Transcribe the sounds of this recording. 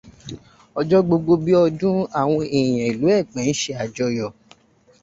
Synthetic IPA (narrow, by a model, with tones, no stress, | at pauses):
ɔ˧d͡ʒɔ˦ɡ͡bo˧ɡ͡bo˧bi˦ɔ˧dũ˦a˦˨w̃ɔ̃˧e˨j̃ɛ̃˨i˨lu˨˦ɛ˦˨k͡pɛ̃˨˦n̩˦ʃe˧a˨d͡ʒɔ˧jɔ˨